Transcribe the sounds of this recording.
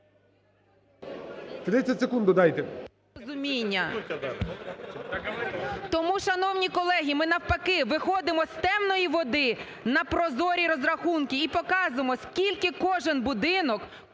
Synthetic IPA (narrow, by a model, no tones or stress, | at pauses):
t̪ɾɪtʲt͡sʲːɐtʲsekund̪ʊd̪ɑjt̪ɛ | ɔzʊmʲinʲːɐ | t̪ɔmuʃɐnɔwnʲikɔlˠɛɦʲimɪnɐwpɐkɪʋɪxɔd̪ɪmɔst̪ɛmnɔjiʋɔd̪ɪ | nɐpɾɔzɔɾʲiɾɔzrɐxunkʲiːpɔkɑzʊemɔskʲilʲkɪkɔʒɪnbʊd̪ɪnɔk